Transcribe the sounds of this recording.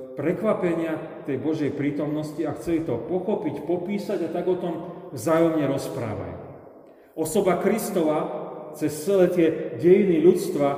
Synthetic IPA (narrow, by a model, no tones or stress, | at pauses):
pɾɛkʋapɛɲɪa | t̪ɛjbɔʒɛjpɾiːt̪ɔmnɔsciaxt͡sɛlit̪ɔpɔxɔpicpɔpiːsaɟat̪aɡɔt̪ɔmvzaːjɔmɲɛɾɔspɾa̰ːʋa̰jṵ | ʔɔsɔbakɾist̪ɔʋaːt͡sɛst͡sɛlɛːt̪ɪɛɟɛjiniʎut͡st̪ʋa